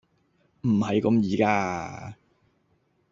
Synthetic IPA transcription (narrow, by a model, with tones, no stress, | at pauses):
m̩˨˩hɐ˨jkɐ˨˧mjiː˨˧kaː˧˥